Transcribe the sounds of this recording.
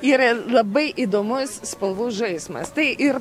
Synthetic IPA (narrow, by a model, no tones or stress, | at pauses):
iːɾɐlˠɐbɐɪʔid̪oːmʊsspɐlˠʋuːsʒɐɪsmɐ̰st̪ɐɪʔɪɾ